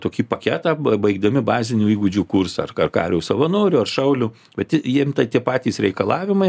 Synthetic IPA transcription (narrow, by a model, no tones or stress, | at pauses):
t̪oːkʲiːpɐkʲæːt̪ɑːbɐɪɡd̪ɐmʲɪbɑːzʲɪnʲuːiːɡʊd͡ʒʲuːkursɐɐrɐrkɑ̰ːɾʲɛʊsɐʋɐnoːɾʲʊɐrʃɐʊlʲu | bʲɛt̪tʲɪjiɛmt̪ɐt̪ʲiɛpɑːt̪ʲiːsɾʲɛɪkɐlˠɑːʋʲɪmɐɪ